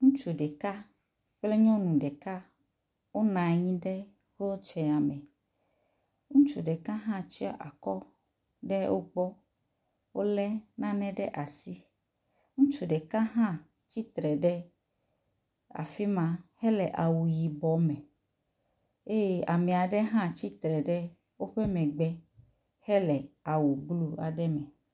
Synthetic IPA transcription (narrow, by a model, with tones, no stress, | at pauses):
ŋũ˦t͡ʃu˨ɖɛ˨ka˦ | k͡ple˦ɲɔ̃˦nũ˨ɖɛ˨ka˦ | wo˦nã˨ɲĩ˦ɖe˦ | xe˦wo˦t͡ʃɛ˨a˨mɛ̃˨ | ŋũ˦t͡ʃu˨ɖɛ˨ka˦ɦã˦t͡ʃi˦a̰˦˨ʔa˨kɔ˦ | ɖe˦wo˦ɡ͡bɔ˦ | wo˦lɛ˦nã˦nɛ̃˦ɖɛ˦ʔa˨si˦ | ŋũ˦t͡ʃu˨ɖɛ˨kã˦ɦã˦ | t͡ɕi˦t̪ɾɛ˨ɖɛ˦ | a̰˨fi˦mã˦hɛ˦lɛ˨ʔa˨wu˨ji˨bɔ˨mɛ̃˨ | e˦je˦a˨mɛ̃˨a˨ɖɛ˦ɦã˦t͡ɕi˦t̪ɾɛ˨ɖɛ˦ | wo˦ɸɛ˦mɛ̃˨ɡ͡bɛ˦ | hɛ˦lɛ˨a˨wu˨ɡ͡blu˦a˨ɖɛ˦mɛ̃˨